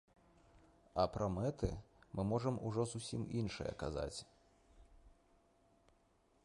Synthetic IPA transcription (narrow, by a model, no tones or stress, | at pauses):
ɐpɾɐmɛt̪ɨ̰mɨmɔʐɐmuʐɔzusʲiminʂɨ̰jɐ̰kaza̰t͡sʲ